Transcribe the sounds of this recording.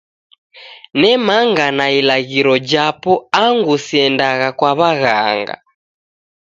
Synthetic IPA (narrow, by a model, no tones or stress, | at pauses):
nɛmaŋɡanailaɣiɾɔd͡ʒapɔaŋɡusiɛndaɣakwaβaɣaŋɡa̰